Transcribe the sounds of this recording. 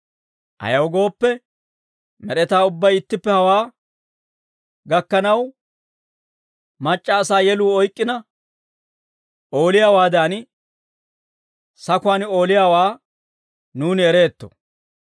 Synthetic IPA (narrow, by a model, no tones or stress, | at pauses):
ʔɐ̰jɐwɡo̞ːpːɛ | mɛɗɛt̪aːʊbːɐjɪt̪ːɪpːɛhɐwaː | ɡɐkːɐnɐw | mɐt͡ʃʼːaːsaːjɛluːɔjkʼːɪnɐ | ʔo̞ːlɪjaːwaːd̪aːn | sɐkʊaːno̞ːlɪjaːwaː | nuːnɪɛɾe̞ːt̪ːɔ̰